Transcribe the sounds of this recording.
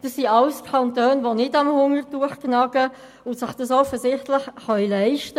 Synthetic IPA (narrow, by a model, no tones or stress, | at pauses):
d̥ɑsːiɑwskʰɑntøːnʋonɪdɑmhʊŋərtuːəχknɑɡ̥ə | ʊntsɪχd̥ɑsɔfəzɪχtlɪχχœɥlæɪʃtə